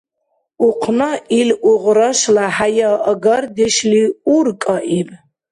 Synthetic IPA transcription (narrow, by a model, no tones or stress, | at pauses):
uqʰnailʔuʁɾaʃlaħajaʔːɡard̪ɛʃliurkʼaʔibʼ